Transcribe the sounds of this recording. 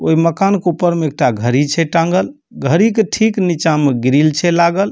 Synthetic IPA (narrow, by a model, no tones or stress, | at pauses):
o̰iməkankeupːəɾmeek̚ʈaɡʱəɾit͡ʃʰɛʈãŋɡəl | ɡʱəɾikeʈʰiknit͡ʃameɡɾilt͡ʃʰɛlaɡəl